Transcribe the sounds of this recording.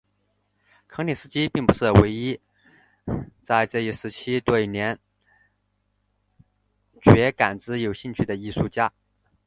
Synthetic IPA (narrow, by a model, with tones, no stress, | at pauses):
kʰɤ˧˥ŋni˨˩ʂɹ̩˥t͡ɕi˥pi˥˩ŋpu˧˥ʂɻ̩˥˩we˧˥ɪi˥ | t͡sa˥˧ɪʈ͡ʂɤ˥˧i˥˩ʂɻ̩˧˥t͡ɕʰi˥t̪we˥˩˧njɛ˧˥n | t͡ɕɥɛ˧˥ka˨˩nʈ͡ʂɻ̩˧˥jo˨˩ʊɕi˥˧ŋt͡ɕʰy˥˩d̪ə˩i˥˧ʂu˥˧t͡ɕja˥˩